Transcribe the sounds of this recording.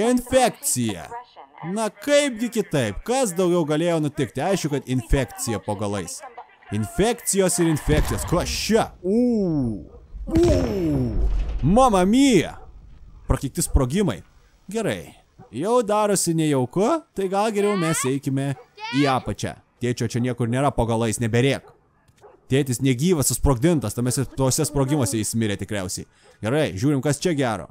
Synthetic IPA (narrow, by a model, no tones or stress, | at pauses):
ɪnʲfʲæːkt̪t͡ssʲɪjɛ̰nɐkɐɪp̚ɡʲɪkʲɪt̪ɐɪpkɐs̬d̪ɐʊɡʲɛʊɡɐlʲeːjoːnʊt̪ʲɪkt̪ʲɪɐɪʃkʲʊkɐt̪ɪnʲfʲæːkt̪t͡ssʲɪjɛpoːɡɐlˠɐɪs | ɪnʲfʲæːkt̪sʲɪjoːsɪɾɪnʲfʲæːk̚tsʲɪjoːsklˠɐʃʲt͡ʃɛu | u | mɐmɐmʲiːjɛ̰pɾɐkʲɪk̚t̪ʲɪspɾoːɡʲɪmɐɪ | ɡʲɛɾɐɪ | jɛʊd̪ɑːɾoːsʲɪnʲɛjɛʊkʊt̪ɐɪɡɐlˠɡʲɛɾʲɛʊmʲɛsɛɪkʲɪmʲɛiːɑːpɐt͡ʃʲɛ̰t̪ʲeːt͡ʃʲoːt͡ʃʲɛnʲiɛkʊɾnʲeːɾɐpoːɡɐlˠɐɪsnʲɛbʲɛɾʲeːk | t̪ʲeːt̪ʲɪsnʲɛɡʲiːʋɐsʊspɾoːɡd̪ʲɪnt̪ɐst̪ɐmʲɛsʲɛt̪oːsʲɛspɾoːɡʲɪmoːsʲɛɪsʲmʲɪɾʲɛːt̪ʲɪkɾʲɛʊsʲɛɪ | ɡʲɛɾɐɪʒʲuːɾʲɪmkɐst͡ʃʲɛɡʲæːɾo̰ː